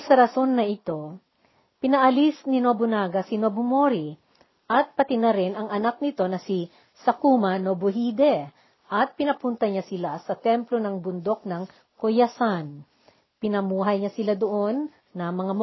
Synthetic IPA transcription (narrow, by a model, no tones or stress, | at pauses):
sɐɾɐso̞nːɐʔɪt̪o̞ | pɪnɐʔɐlisnɪnobʊnaːɡɐsinobomoɾi | ʔɐt̪̚pɐt̪ɪnɐɾɛnɐŋɐnak̚nɪt̪o̞nɐsi | sɐkumɐnoboɦiːd̪ɛ | ʔɐt̪̚pɪnɐpunt̪ɐɲasɪlasɐt̪ɛmplo̞nɐŋbʊnd̪o̞k̚nɐŋ | kojɐsan | pɪnɐmuːɦɐjɲasɪlad̪oʔo̞nː | ɐmɐŋam